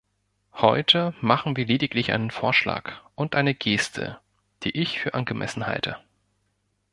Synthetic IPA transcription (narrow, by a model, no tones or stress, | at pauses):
hɔʏtʰəmaχn̩viːɐleːdɪklɪçʔa̰ɪnənfoːɐʃla̰ːkʔʊntʔaɪnəɡeːstʰə̰ | d̥iːʔɪçfyːɐʔanɡəmʔɛ̰sn̩ha̰ltʰə